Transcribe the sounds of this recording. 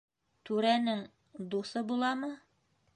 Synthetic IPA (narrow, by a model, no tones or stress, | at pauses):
t̪ʉɾænɘŋ | d̪usɤbulˠɑmɤ